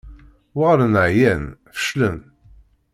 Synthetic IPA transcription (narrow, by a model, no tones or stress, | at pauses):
wəɾənəʕjænfə̥ʃlən